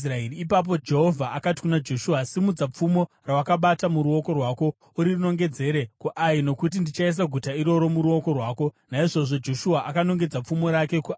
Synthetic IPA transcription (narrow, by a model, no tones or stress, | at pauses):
raeriːp̬ap̬o̞d͡ʒe̞ɦo̞vʱaʔakati̥kunad͡ʒo̞ʃuasimud͡zap͡fumo̞ | rawakaɓatamuɾuo̞ko̞rwaːko̞ | uɾiruno̞ŋɡe̞d͡ze̞ɾe̞kuʔaino̞kut̬indit͡ʃais̬aɡʱutaiɾo̞ɾo̞muɾuo̞ko̞rwaːko̞naiʐo̞ʐo̞d͡ʒo̞ʃuaʔakano̞ŋɡe̞d͡zap͡fumo̞ɾake̞ku